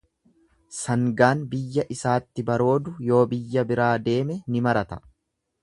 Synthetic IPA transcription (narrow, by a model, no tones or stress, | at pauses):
sɐŋɡaːnbɪjːɐʔɪsaːt̪ːɪbɐɾo̞ːd̪ʊjo̞ːbɪjːɐbɪɾaːd̪e̞ːmɛnɪmɐɾɐt̪ɐ̥